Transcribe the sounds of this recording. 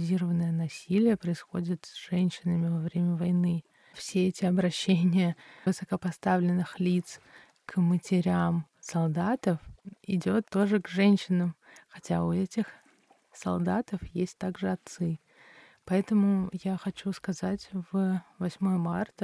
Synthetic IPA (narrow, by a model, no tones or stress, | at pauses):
zʲiɾəvənəjənɐsʲilʲɪjəpɾəɪsxo̞dʲɪt̪sʐ̥ɛnʲɕːɪnəmʲɪvɐvɾʲemʲəvɐjnɨ | fsʲeɛtʲɪɐbɾɐɕːenʲɪjəvɨsəkəpɐst̪avlʲɪnːɨxlʲit̪s | kmətʲɪɾʲam | sɐlˠd̪at̪əfɪdʲo̞t̪ːo̞ʐɨɡʐɛnʲɕːɪnəmxɐtʲaʊɛtʲɪx | sɐ̰lˠd̪at̪əfjesʲt̚ʲt̪aɡʐɨɐt̪sɨ | pɐɛt̪əmʊjaxɐt͡ɕuskɐzatʲvəvɐsʲmo̞jəmart̪ə